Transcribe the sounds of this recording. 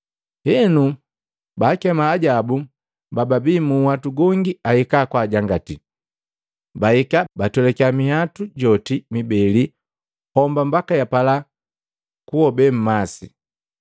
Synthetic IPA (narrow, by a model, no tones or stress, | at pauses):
hɛnu | baːkɛmaːɟabu | bababimuhatuɡɔŋɡiahikakwaːɟaŋɡati | baikabatɔlɛkamihatuɟɔtimibɛli | hɔmbambakajapala | kuɔbɛm̩masi